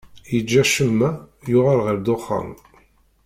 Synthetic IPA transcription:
jəd͡ʒːæʃəmːæjʊʁaɾʁəɾd̪oχːa̰m

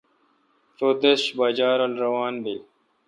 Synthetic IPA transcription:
soːt̪eɕbaːd͡ʑaːɾolɾɐwaːnbil

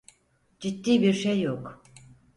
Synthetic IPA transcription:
d͡ʒit̪ːiːbiɾʃejːok

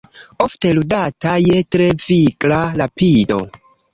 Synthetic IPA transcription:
ofte̞ludatajetɾeviklalapido̞̰

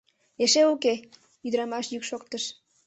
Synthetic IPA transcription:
eʃeuke | yd̪əɾɑmɑʃjykʃokt̪əʃ

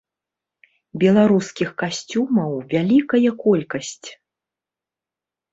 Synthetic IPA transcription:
bʲɛlˠaɾuskʲixkasʲt͡sʲumɐwvʲalʲikɐjɐkɔlʲkɐsʲt͡sʲ

